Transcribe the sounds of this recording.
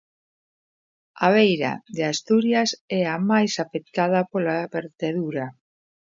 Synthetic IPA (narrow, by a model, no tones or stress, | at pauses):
aβ̞ejɾa̰ðeast̪uɾjasɛamajsafek̚t̪aðapolaβeɾt̪eðuɾa